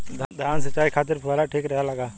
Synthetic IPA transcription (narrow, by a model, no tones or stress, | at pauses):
d̪ʱd̪ʱaːnsət͡ʃːaːikʰaːt̪̬ɪɾpʰuʋalaʈʰiːkɾɐɦjalaɡaː